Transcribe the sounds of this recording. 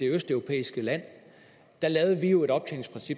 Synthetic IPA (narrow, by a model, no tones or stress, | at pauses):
e̝øsd̥œʊʁo̝pʰḛːisɡ̥əlæn̰ | d̥ɑ̈lɛːʊð̞ˠəʋiue̝ɾɒ̽b̥̚t͡sʰelɪŋ̩spʁɛnsib̥